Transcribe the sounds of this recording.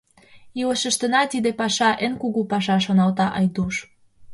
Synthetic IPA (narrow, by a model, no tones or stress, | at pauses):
iləʃə̆ʃt̪ə̆nɑt̪id̪epɑʃɑʔenkuɣupɑʃɑʃ̬onɑlt̪ɑʔɑjd̪uʃ